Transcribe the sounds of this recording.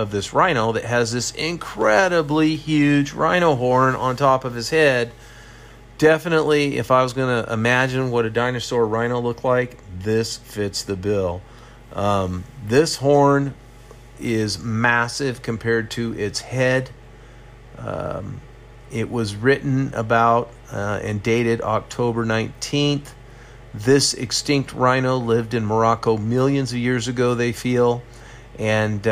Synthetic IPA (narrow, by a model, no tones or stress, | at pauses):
ʌvðɪsɹãɪ̃ɾ̃oʊðɨt̚ɦɨzðɪsɪ̃nkʰɹ̥ɛɾəblihjʉd͡ʒɹãɪ̃ɾ̃oʊɦɔɹnə̰̃ntʰɔpʌv̥ɨz̥hɛd̚ | d̥ɛfənəʔliɪ̰faɪwʌzɡʌnɨʔɪ̰mæd͡ʒɨ̃nwʌɾɨdãɪ̃nə˞sɔɹɹãɪ̃ñolʊk̚tˡlaɪk | ðɪsfɪtsðɨbɪlˠ | ðɪshɔɹn | ɪzmæsɪv̥kʰm̩pʰɛɹd̚tʰɨʔɪtshɛɾ | ɪʔwʔʌzɹɪʔn̩ə̰baʊɾ | ɨ̰̃ndeɪɾɨɾɑ̰k̚tʰoʊbə˞nãɪ̃ntʰĩnθ | ðɪsɨ̰kstɪ̃ŋk̚t̚ʰɹãɪ̃ñoʊlɪvdɨ̃nmə˞ɑkoʊmɪlˠjɨ̃nzʌvjɪɹzɨɡoʊðeɪfilˠ | ʔɨ̃n